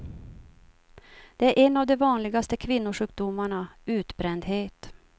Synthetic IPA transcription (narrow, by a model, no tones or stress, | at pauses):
d̪̥ɛæɾʔɛnːavd̪ɛvɑːnlɪɡast̪əkʰvɪnːʊʂʉ̟ːk̚d̪ʊmːaɳaʉ̟ːt̪bɾɛnd̪ɦheːt̪